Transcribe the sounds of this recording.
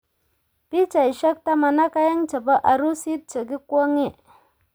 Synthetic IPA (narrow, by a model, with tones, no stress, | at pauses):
pi˦t͡ʃa˨i˨ʃa˦k̚ta˦ma˨na˦ka˦ja˦ŋt͡ʃa˨ba˦ʔa˨ɾu˦si˦t̚t͡ʃə˨ɡi˦kʷo˦ŋe˦˨